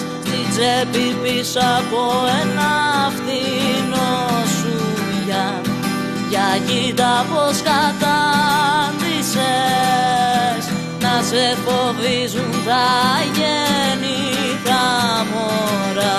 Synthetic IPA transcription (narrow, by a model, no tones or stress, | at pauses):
ft̪id͡zepipisɐkoenɐfθinosu | ʝɐ | ʝɐcit̪ɐpo̞skɐt̪ɐ | nðise | s | nɐsefo̞vizunt̪ɐʝeni | kɐmoɾɐ